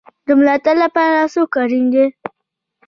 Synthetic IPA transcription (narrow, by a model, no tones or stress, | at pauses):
d̪əmʊlaːt̪ɐɾlːapaːɾasokaɾɪnd̪e